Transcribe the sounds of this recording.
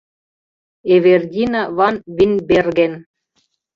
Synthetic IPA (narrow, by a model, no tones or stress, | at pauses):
eβerdʲinɑβɑnβinʲberɣen